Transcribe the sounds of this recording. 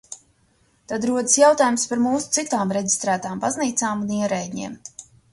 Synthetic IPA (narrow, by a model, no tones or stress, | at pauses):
t̪ad̪ɾuɔd̪əsjawt̪aːjumspaɾmuːsu̥t̪sit̪aːmɾeɟʲi̥st̪ɾæːt̪aːmbazniːt̪saːmuniɛɾɛjɲḛːm